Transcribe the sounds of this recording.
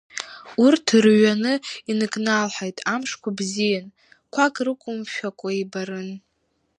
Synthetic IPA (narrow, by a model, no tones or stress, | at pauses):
urtʰrɥanɨinɨkʼnalħajtʼamʂkʷʰabzijan | kʷʰakʼrɨkʷʼʊmʃᶣakʷʼaibaɾɨn